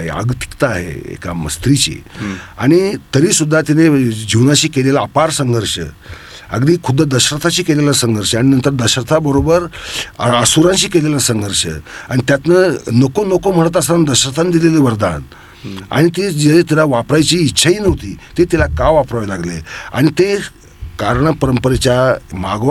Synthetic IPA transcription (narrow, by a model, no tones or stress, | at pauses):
ɦḛa̰ɡt̪i̥kt̪aːɦḛḛka̰mə̰st̪ɾit͡ɕḭa̰ɽ̃it̪əɾiːsud̪ʱːat̪ined͡ʑiwnaɕiːkelelaːpaɾsəŋɡʱəɾɕə̰ | ə̰ɡd̪iːkʰud̪ʱːad̪əɕɾət̪ʰaɕiːkelelasəŋɡʱəɾɕəaɽ̃inənt̪əɾd̪əɕɾət̪ʰabəɾobəɾ | əsuɾãnɕiːkelelasəŋɡʱəɾɕə̰a̰ɽ̃it̪jat̪nənokonokom̤əɽət̪əsand̪əɕɾət̪ʰand̪ileleʋəɾd̪a̰n | a̰ɽ̃it̪ed͡ʑeet̪ilaʋapɾajt͡ɕiːtːɕʰaɦiːnəɦt̪ḭːt̪et̪ilakaʋapɾaʋelaɡlḛa̰ɽ̃it̪e | kaɾɳəpəɾəmpəɾet͡ɕjamaɡʋ